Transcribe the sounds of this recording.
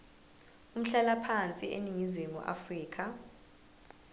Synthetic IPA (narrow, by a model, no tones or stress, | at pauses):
um̩ɬɛlapʰant͡sʼiʔḛniŋizweŋṵʔa̰friːkʰa